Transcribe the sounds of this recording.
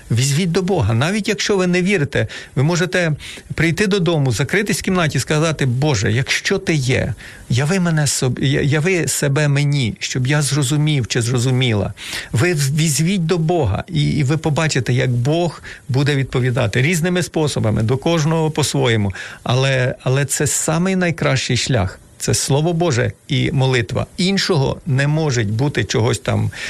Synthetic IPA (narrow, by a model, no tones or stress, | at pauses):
ʋʲizʲʋʲit̚ʲd̪ɔbɔɦɐnɑʋʲitʲjɐkʃt͡ʃɔʋɪnɛʋʲiɾɪt̪ɛʋɪmɔʒet̪ɛpɾɪjt̪ɪd̪ɔd̪ɔmʊzɐkɾɪt̪ɪsʲkʲimnɑtʲiskɐzɑt̪ɪbɔʒɛjɐkʃt͡ʃɔt̪ɪjɛ̰ | jɐʋɪmɛnɛsɔ̰jɐʋɪsɛbɛmenʲiʃt͡ʃɔbjazrɔzʊmʲiwt͡ʃɪzrɔzʊmʲilˠɐ̰ʋɪʋʲizʲʋʲit̚ʲd̪ɔbɔɦɐ̰ʔiʋɪpɔbɑt͡ʃɪt̪ɛjɐɡbɔxbud̪ɛʋʲid̪̚pɔʋʲid̪ɑt̪ɪɾʲiznɪmɪspɔsɔbɐmɪ̰d̪ɔkɔʒnɔɦɔpɔsʋɔjɛmʊɐ̰lˠɛɐlˠɛt̪sɛsɑmɪjnɐjkɾɑʃt͡ʃɪjʃlʲa̰x | t̪sɛslˠɔʋɔbɔʒɛ̰imɔlˠɪt̪ʋɐ̰inʃɔɦɔ̰nɛmɔʒetʲbut̪ɪt͡ʃɔɦɔsʲt̪ɑ̰m